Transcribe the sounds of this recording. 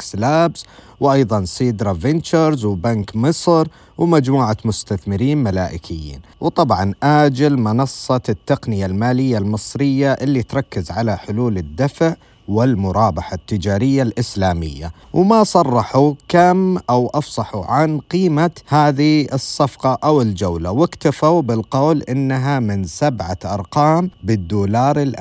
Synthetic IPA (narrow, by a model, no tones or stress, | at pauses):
kslaːbz̥ | wʔɑjðˤɑnsiːd̪ɾˤɑvɪnt͡ʃaɾzwbankmɨsˤɾ | wmad͡ʒmuːʕamʊst̪aθmɪɾiːnmalaːʔɪkʰɪjːḭːnwt̪ˤɑbʕɑnʔaːd͡ʒɪlmɪnɑsˤːɑt̪ːaqnɪjalmaːlɪjːalmɨsˤɾɪjːaʔɪlːit̪ɾˤɑkːɪzʕalaħʊluːlɪd̪ːafʕ | wɪlmʊɾˤɑːbɑħat̪ːɪd͡ʒaːɾɪjːalʔɪslaːmɪ̰jːa̰ | wmasˤɑrˤːɑħukamʔawʔɑfsˤɑħuʕanqiːmahaːðiɨsˤːɑfqɑʔawɪld͡ʒawlawɪkt̪afawbɪlqɑːlʔɪnːaɦamɪnsabʕaʔɑɾˤqɑːmbɪd̪ːuːlɑːɾˤɪlʔ